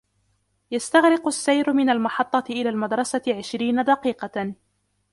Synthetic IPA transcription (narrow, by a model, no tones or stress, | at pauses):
jast̪aɣɾɪqʊsːajɾʊmɪnalmɑħɑt̪ˤːɑɪʔɪlaːlmad̪ɾˤɑsaʕɪʃɾiːnad̪ɑqiːqɑ